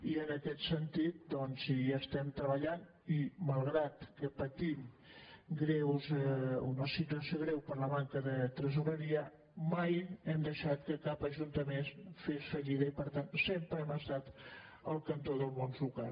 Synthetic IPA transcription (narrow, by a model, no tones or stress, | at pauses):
iənəkɛt̪sənt̪it̪̚d̪ɔnsiaəst̪ɛmt̪ɾəβəʎan | iməlˠɣɾat̪kəpət̪im | ɡɾɛwzunəsit̪uəsjoɣ̞ɾɛwpəɾləβaŋkəðət̪ɾəzuβəɾiə | majɛmd̪əʃat̪kəkapəʒunt̪əmenfesfəʎiðəipəɾt̪ansempɾəɛməst̪at̪əlˠkənt̪oðəlˠmonzlukal